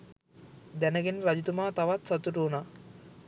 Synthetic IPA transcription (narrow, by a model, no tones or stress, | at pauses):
d̪ɛnəɡenɾɐd͡ʒit̪umaːt̪aʋat̪sɐt̪uʈuːna